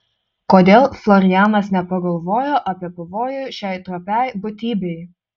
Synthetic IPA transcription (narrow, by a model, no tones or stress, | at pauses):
koːd̪ʲeːlˠflˠɔɾʲɪjæːnɐsnʲɛpɐɡɐlˠʋoːjoːʔɐpʲiɛpɐʋoːjʊʃʲæˑɪt̪ɾoːpʲæˑɪbʊt̪ʲiːbʲɛɪ